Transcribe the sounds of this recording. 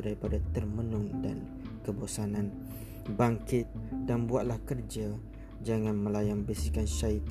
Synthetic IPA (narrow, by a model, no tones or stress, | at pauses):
daɾipadat̪ərmənʊŋda̰n | kəbosanãn | baŋkɪt̪̚danbuat̪̚lahkərd͡ʒa | d͡ʒaŋãnmə̃lajaŋbəsikanʃait̪